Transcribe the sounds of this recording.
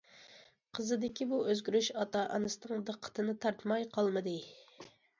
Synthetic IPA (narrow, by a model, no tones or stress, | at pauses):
qʰəzɨd̪ɪkʲibuøzɡʲyɾyʃɑt̪ɑʔɑ̰nɨsɨnɨŋd̪əqʰːə̥t̪ʰɨnɨt̪ʰɑɾt̪mɑjqʰɑlˠmɨd̪ɨ